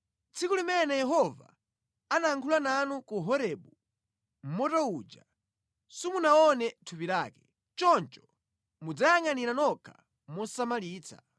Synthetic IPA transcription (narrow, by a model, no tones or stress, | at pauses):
t͡sʰikulimɛnɛjɛɦɔva̰ | anaːŋkʰulananukuɦɔɾɛɓu | m̩mɔtɔud͡ʒa | sumunaɔnɛtʰupiɾaːkɛ̥ | t͡ʃɔnt͡ʃɔ̥ | mud͡zajaŋaniɾanɔkʰa | mɔsamaliːt͡sʰa̰